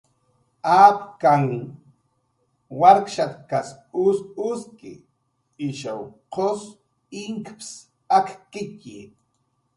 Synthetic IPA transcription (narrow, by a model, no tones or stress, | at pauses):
apkaŋ | waɾkʃat̪kas | ʊsʊskɪ̰ | ɪʃawqos | ɪŋkps | akkɪci